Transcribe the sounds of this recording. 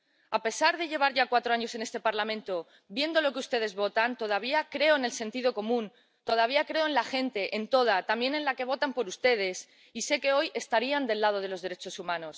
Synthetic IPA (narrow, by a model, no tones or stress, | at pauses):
ape̞saɾðe̞ʎe̞β̞aɾʝakwat̪ɾo̞aɲo̞se̞ne̞st̪e̞paɾlamẽ̞nt̪o | bje̞nd̪o̞lo̞keust̪e̞ð̞e̞zβo̞t̪ant̪o̞ð̞aβ̞iakɾe̞o̞ene̞lse̞nt̪iðo̞ko̞mũn | t̪o̞ð̞aβ̞iakɾe̞o̞enlae̞nt̪e̞ʔent̪o̞ð̞at̪ambje̞ne̞nlake̞β̞o̞t̪ampo̞ɾust̪e̞ð̞e̞s | ise̞ke̞o̞je̞st̪aɾiand̪e̞lːað̞o̞ð̞e̞lo̞zðeɾe̞t͡ʃo̞sumãno̞s